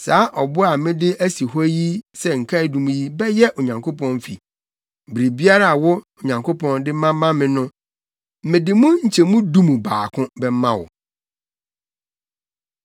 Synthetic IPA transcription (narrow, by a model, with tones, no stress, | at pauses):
saː˨˦ʔɔ˨bʊ˦a˨mɪ̃˦dɪ˦ʔæ˦si˨ɦɔ˦ji˦sɛ˨ŋ̩˨kʰa˦ɪ˨dũ˨mũ˦ji˦bɛ˦jɛ˦ʔo˨ɲã˨ŋkʰo˦pɔ̃˦nfi˨ | bɾi˨bi˦a˦ɾa˦˨wʊ˦o˨ɲã˨ŋkʰo˦pʰɔ̃˦ndɪ˦mã˦mã˦mɪ̃˦nʊ̃˦ | m̩˦mɪ̃˨dɪ˨mũ˦ɲ̩˨t͡ɕʰɛ˨mũ˦dũ˦mũ˨baː˨kʰʊ̃˦bɛ˦m˦mã̰˦wʊ̰˨